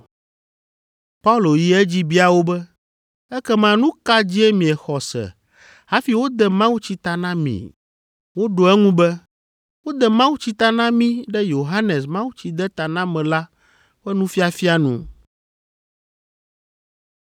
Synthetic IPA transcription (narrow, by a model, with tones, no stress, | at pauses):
pa˦u˦lo˨ji˨ɛ˦d͡ʑi˦bi˦a˨wo˦bɛ˦ | ɛ˦kɛ˦mã˨nũ˦ka˦d͡ʑi˦ɛ˦mĩ˨ɛ˨xɔ˨sɛ̰˨ | ha˦fi˨˦wo˦d̪ɛ˨mã˦wu˦t͡ɕi˦t̪a˨nã˦mḭ̃˨ | wo˦ɖo˨ɛ˦ŋũ˦bɛ˦ | wo˦d̪ɛ˨mã˦wu˦t͡ɕi˦t̪a˦nã˦mĩ˦ɖɛ˦jo˨ɦa˦ne˨smã˦wu˦t͡ɕi˦d̪ɛ˦t̪a˨nã˦mɛ̃˨la˦ | ɸɛ˦nũ˦fi˦a˨fi˦a˨nṵ̃˨